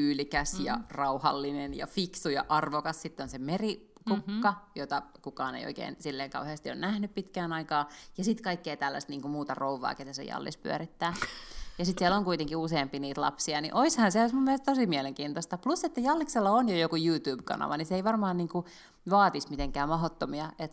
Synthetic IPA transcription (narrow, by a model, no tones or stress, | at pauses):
yːlikæsjɑ̰rɑuhɑ̰lːinenjɑ̰fiksujɑ̰ʔɑrʋokɑssit̪ːonsemeri | kukːɑjot̪ɑkukɑːnḛijo̰ikḛːnsilːeːŋkɑuheɑst̪io̰nnæhnyppit̪kæːnɑikɑːjɑsit̪kɑikːeːt̪ælːæ̰st̪niːŋkumuːt̪ɑrouʋːɑ̰ːket̪æsḛjɑ̰lːḭspy̰æ̰ɾit̪ːæːjɑsit̪siæloŋkuit̪eŋkiuseːmpiniːt̪lɑ̰psiɑnḭʔoishɑnseoismumːielest̪osimiɛleŋkiːnt̪ost̪ɑplusːet̪ːæjɑlːikselːɑonjojokujuːt̪uːb̥kɑ̰nɑ̰ʋɑniseiʋɑrmɑːnniːŋku | ʋɑːt̪ismit̪eŋkæːmɑɦot̪ːomiɑet̪